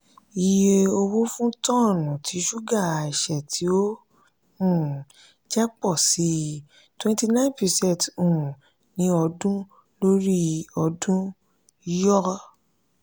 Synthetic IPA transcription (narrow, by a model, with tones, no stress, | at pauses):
i˨˧je˧o˧wo˦fũ˦tɔ̃˦˨nũ˨ti˨˦ʃu˦ɡa˦˨i˨ʃɛ˨tʰi˨˦o˦ | ũ˦˨ | d͡ʒɛ˦k͡pɔ˦˨si˨˦ | twɛ̃˦˧nti˧nã˦ĩ˦npi˨˧sɛ˦˨tũ˨ | nĩ˦ɔ˧dũ˦ | lo˦ɾi˦ɔ˧dũ˦ | jɔ˦